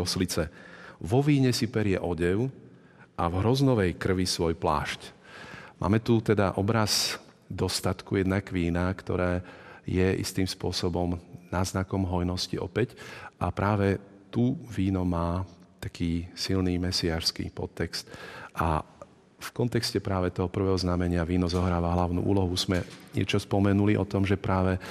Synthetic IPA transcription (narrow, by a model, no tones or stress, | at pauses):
ɔslit͡sɛʋɔʋiːɲɛsipɛɾɪjɛʔɔɟɛʊ | ʔavɦɾɔznɔʋɛjkr̩ʋisʋɔjpla̰ːʃc | mʔa̰ːmɛt̪ut̪ɛd̪aʔɔbɾaz | d̪ɔst̪at̪kujɛd̪nakʋiːnakt̪ɔ̰ɾɛːjɛʔḭst̪iːmspʊɔsɔbɔmnaːznakɔmɦɔjnɔsciɔ̰pɛcʔapɾʔaːʋɛ | t̪uʋiːnɔmaːt̪akʰiːsilniːmɛsiaːʃskḭpɔ̰t̪ːɛkst̪ʔa̰ | fkɔnt̪ɛkscɛpɾaːʋɛt̪ɔɦɔpr̩ʋɛɦɔznamɛɲɪaʋiːnɔzɔɦɾaːʋaɦlaʊnṵːʔṵːlɔɦuzmɛɲɪɛ̰t͡ʃɔspɔmɛnuliʔɔt̪ɔmʒɛpɾaːʋɛ